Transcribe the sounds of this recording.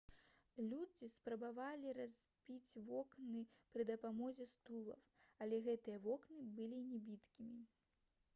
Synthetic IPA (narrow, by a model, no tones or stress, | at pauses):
lʲud͡zʲispɾɐbavalʲirazʲbʲit͡sʲvɔknɨpɾɨd̪ɐpamɔzʲɛst̪ulˠɐ̰wɐlʲɛɣɛt̪ɨjɐvɔknɨbɨlʲinʲɛbʲit̪kʲimʲi